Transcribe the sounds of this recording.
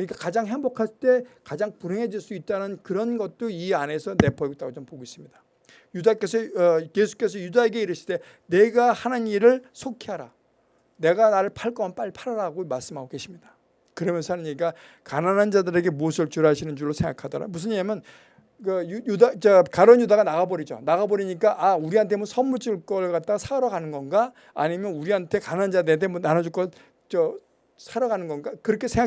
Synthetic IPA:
kkɯɲik͈akad͡ʑaŋɦembokʰast͈e̞kad͡ʑaŋpuɾeŋɦe̞d͡ʑiɭs͈uit̚t͈anɯnkɯɾʌnɡʌt̚t͈oiane̞sʰʌne̞pʰʌik̚t͈aɡot͡ɕompoɡois͈ɯmɲida | judak͈e̞sʰʌʌje̞sʰu̥k͈e̞sʰʌjudae̞ɡe̞iɾɯɕʰi̥de̞ | ne̞ɡahanɯniɾɯɭsʰokʰiɦaɾa̰ | ne̞ɡanaɾɯɭpʰaɭk͈ʌmanp͈aɭːipʰaɾaɾaɡomaɭs͈ɯmɦaɡoke̞ɕʰimɲid̥ḁ | kɯɾʌmjʌnsʰʌhanɯɲik͈a | kananɦand͡ʑadɯɾe̞ɡe̞muʌsʰɯɭt͡ɕuɾɦaɕʰinɯnd͡ʑuɭːosʰeŋɡakʰadʌɾa̰mus̬ʰɯnemjʌn | kɯjujudat͡ɕakaɾʌnjudaɣanaɣabʌɾid͡ʑo̰naɣabʌɾiɲik͈aʔauɾiɦantʰemunsʰʌmuɭt͡ɕ͈uɭk͈ʌɭkat̚t͈aɡasʰaɾʌɡanɯnɡʌnɡaː | ɲimjʌnuɾiɦantʰe̞kanand͡ʑadɯentʰemʌnanad͡ʑuɭk͈ʌ | t͡ɕʌ | sʰaɾʌɡanɯnɡʌnɡakɯɾʌkʰe̞sʰeŋa

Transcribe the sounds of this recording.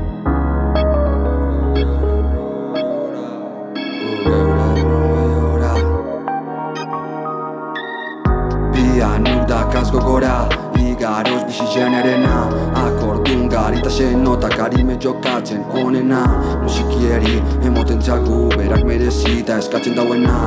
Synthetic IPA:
oɾa | eɾanuɡajoɾa | pianuɾd̪akaskokoɾa | iɡaɾosbiʃiʃeneɾenaakoɾot̪uŋɡaɾit̪aʃenot̪akaɾimed͡ʒokat͡ʃeŋkonenanuʃikjeɾiemot̪ent͡ʃakuβeɾak̚meɾesit̪aeskat͡ʃend̪awena

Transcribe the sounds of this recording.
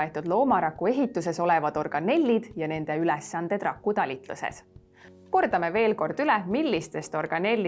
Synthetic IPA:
et̪ːˑud̪lo̞ːmɑɾɑkːˑue̞ɦit̪ːˑuse̞so̞le̞vɑd̪̥o̞rɡ̥ɑne̞lʲːid̪̥jɑne̞nd̪̥e̞ylɛsːɑnd̪̥e̞d̪̥rɑkːut̪ɑlʲit̪ˑlṵsḛs | ko̞rd̪̥ɑmeve̞ːlko̞rd̪̥ylɛmilʲːist̪e̞st̪o̞rɡ̥ɑne̞lʲː

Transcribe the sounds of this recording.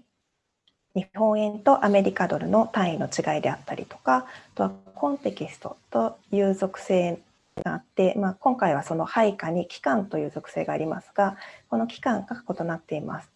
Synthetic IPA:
ɲihõ̞ɰ̃ẽ̞nt̪o̞ʔame̞ɾʲikad̪o̞ɾɯ̟no̞t̪ãɰ̃ĩno̞t͡ɕiɡaid̪e̞at̪ːaɾʲḭt̪o̞̥kaat̪o̞βakõ̞nt̪e̞kʲisɨ̥t̪o̞̰t̪o̞jɯ̟ːzo̞kɯ̟̥se̞ː | ɡaːt̪ːe̞maːkõ̞ŋkaiβ̞aso̞no̞haikaɲ̟ikʲi̥kãnt̪o̞jɯ̟ːzo̞kɯ̟̥se̞ːɡaːɾʲima̰sɨ̥ɡ̥ako̞no̞kʲi̥kãŋɡako̞t̪o̞nat̪ːe̞ima̰sɨ̥

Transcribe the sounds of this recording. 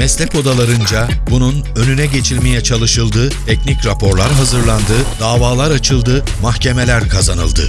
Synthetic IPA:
mɛslʲɛko̞d̪alˠaɾɯnd͡ʒabunun | ø̞nynɛɟe̞t͡ʃʰilʲmejɛt͡ʃʰalˠɯʃɯlˠd̪ɯt̪ʰɛcnicɾapʰo̞ɾlˠaɾɦazɯɾlˠand̪ɯd̪aːvaːlˠaɾat͡ʃʰɯlˠd̪ɯmaxce̞melʲæɾkʰazanɯ̰lˠd̪ɯ̰

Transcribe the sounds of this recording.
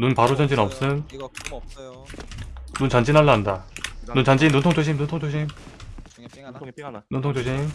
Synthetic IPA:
nunpaɾod͡ʑʌnd͡ʑinʌp̚s͈ɯn | nunt͡ɕʌnd͡ʑinaɭːaɦandanunt͡ɕʌnd͡ʑimnuntʰoŋt͡ɕ͈ʰoɕ̬ʰimnuntʰoŋt͡ɕʰoɕ̬ʰim | nuntʰoŋt͡ɕʰoɕʰim

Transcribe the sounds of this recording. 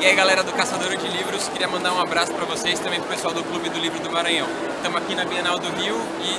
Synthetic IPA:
ɪaiɡalɛɾɐd̪ʊkasad̪oɾʊd͡ʒɪlivɾʊskɪɾiɐmɐ̃nd̪aɾũabɾasʊ̥pɾɐvosest̪ɐ̃mbẽj̃pɾʊpesuawd̪ʊklubɪd̪ʊlivɾʊd̪ʊmaɾɐ̃ɲɐ̃w̃ | t̪ɐ̃mʊakinɐbienawd̪ʊɦiw | ɪ

